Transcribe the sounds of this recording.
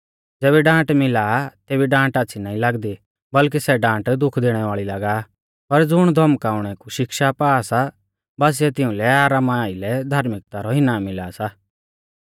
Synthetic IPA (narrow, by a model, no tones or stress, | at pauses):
d͡zɛːβɛɖãːʈmɪlat̪eːbiɖãːʈaːt͡ʃʰinaːĩlaɡd̪i | bɐlk̬isɛɖãːʈd̪ʊkʰd̪eːɽ̃ɛʋaːɭilaɡa | pɐɾd͡zʊɽ̃d̪ʱɔmkaːʊɽ̃ɛkuʃɪkʃapaːsa | baːs̬ɪɛt̪ɪʊ̃lɛaːɾaːmaaːilɛd̪ʱaːɾmɪk̚t̪aɾɔɦɪnamɪlasa